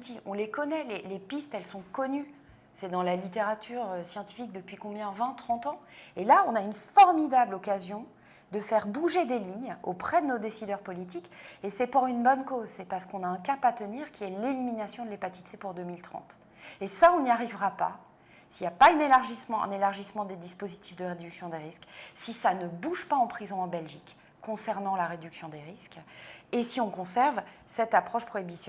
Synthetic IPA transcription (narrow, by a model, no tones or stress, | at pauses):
t̪iɔ̃lekɔnɛlelepist̪ɛlsɔ̃kɔny | sɛd̪ɑ̃lalit̪eʁat̪ʰyʁøsjɑ̃t̪i̥fik̚d̪əpɥikɔ̃bjɛ̃vɛ̃t̪χɑ̃t̪ɑ̃elaɔ̃naynfɔʁmid̪ablɔkazjɔ̃ | d̪əfɛʁbuʒed̪eliɲo̰pχɛd̪ənod̪esid̪œʁpɔlit̪̬ikesɛpuʁynbɔnkozsɛpaʁsə̥kɔ̃naɛ̃kapat̪əniʁkʲiɛleliminasjɔ̃d̪əlepat̪i̥t̪sepuʁd̪ømilt̪χɑ̰̃t̪ | esaɔ̃niaʁivʁapa̰ | siljapaɛ̃nelaʁʒismɑ̃ɛ̰̃nelaʁʒismɑ̃d̪ed̪ispozit̪ifd̪əʁed̪yksjɔ̃d̪eʁisksisanəbuʒpaɑ̃pχizɔ̃ɑ̃bɛlʒikː | ɔ̃sɛʁnɑ̃laʁed̪yksjɔ̃d̪eʁiskesiɔ̃kɔ̃sɛʁvsɛt̪apχɔʃpχɔibis